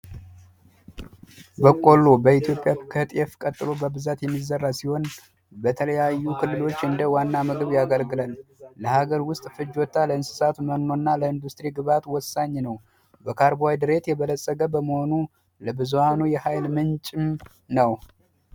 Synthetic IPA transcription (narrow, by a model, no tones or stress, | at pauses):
bəkʼo̞lːo̞bəit̪ʰijo̞pʼjakʰət̪ʼɛfkʼət̪ʼːɨlo̞bəbɨzat̪jɛmːizərːasiho̞n | bət̪ʰələjajːukʰɨlːɨlo̞t͡ʃːɨnd̪əwanːamɨɡɨβjaɡəlɡɨlalləhaɡəɾwʊst̪ʼfɨd͡ʒɔt̪ʰːaləɨnsɨ̥sat̪məno̞ɨnːaləɨnd̪ust̪ʼɾiɡɨβat̪wɔsːaɲːnəw | bəkʰaɾbajd̪ɨɾe̞t̪jɛβələsʼːəɡəbəməho̞nu | ləbɨzuhanujɛhajlmɨnt͡ʃʼɪm | nəw